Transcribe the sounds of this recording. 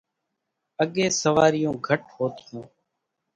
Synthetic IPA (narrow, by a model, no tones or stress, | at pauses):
əɠeːsəʋaːɾɪjõːɡʱəʈɦoːt̪ʰɪjũː